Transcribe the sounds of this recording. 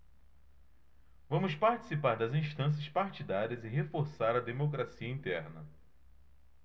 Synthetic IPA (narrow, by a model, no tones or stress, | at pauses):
vɐ̃mʊspaɾt͡ʃi̥sipaɾd̪ɐzĩʃt̪ɐ̃s̬jɐspaɾt͡ʃid̪aɾiɐzɪɦefoɾsaɾɐd̪emokɾasiɐĩt̪ɛ̰ɾnɐ